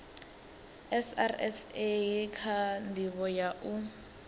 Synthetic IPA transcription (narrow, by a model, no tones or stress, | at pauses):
ɛsa̰rɛ̰sekʰandiβɔjaʔu